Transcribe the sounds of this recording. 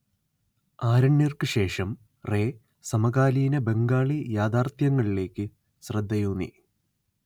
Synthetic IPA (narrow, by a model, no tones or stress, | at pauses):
aːɾɐɳːirkɨɕe̞ːʂɐm | re̞ː | sɐmɐɣaːliːnɐbe̞ŋɡaːɭijaːd̪aːrt̪jɐŋːɐɭile̞ːkʲːɨ | ɕrɐd̪ʱːɐjuːnḭ